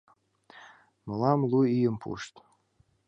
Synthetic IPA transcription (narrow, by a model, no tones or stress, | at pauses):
mɤlɑmluijəmpʰṵʃt̪